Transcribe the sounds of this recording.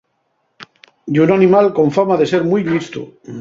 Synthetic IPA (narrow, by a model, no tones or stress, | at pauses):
d̪unanĩmalko̞ɱfamaðe̞seɾmujlist̪ṵ